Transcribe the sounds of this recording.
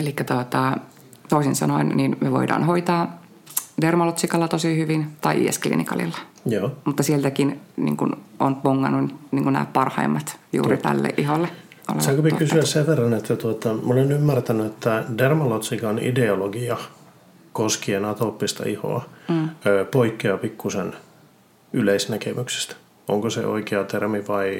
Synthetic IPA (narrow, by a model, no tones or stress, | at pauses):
elikːæt̪ot̪ɑ | t̪oisinsɑ̰noinninmyeʋo̰idɑ̰ːnhoit̪ɑː | dermɑlot̪sikɑlːɑt̪osihyʋint̪ɑiʔḭḛsklḭːnḭkɑ̰lḭlːɑ̥ | joːmut̪ːɑsielt̪ækinnḭːŋkunʔo̰npoŋːɑ̰nːunyniːŋkunæ̰ːppɑrhɑimːɑt̪jṵːrit̪æ̰lːḛʔʔiholːe | ʔo̰lḛsɑkopikysyæsseʋʋerːɑnet̪ːæt̪uot̪ɑmolenymːært̪ænyet̪ːædermolot̪sikɑonḭdeoloɡiɑ | koskienɑt̪opːist̪ɑ̰iho̰ɑøːpoikːeɑpikːusen | yleisnækemykse̥st̪ | o̰ŋkosḛʔo̰ikeɑt̪ermiʋɑi